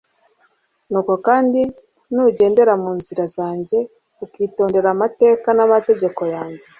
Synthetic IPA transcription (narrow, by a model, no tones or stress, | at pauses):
nuːko̞kaːndi | nuɟe̞ːnde̞ɾamuːnziɾazaːɲɟe̞ | ukiːto̞ːnde̞ɾamate̞ːkanamate̞ɟe̞ko̞jaːɲɟe